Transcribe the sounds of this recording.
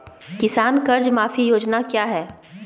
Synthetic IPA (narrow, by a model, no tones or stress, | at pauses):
kɪsaːnkɐɾd͡ʒmaːfijoːd͡ʒnakjaːɦɛː